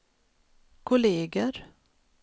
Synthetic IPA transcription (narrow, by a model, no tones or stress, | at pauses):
kʰʊleːɡəɾ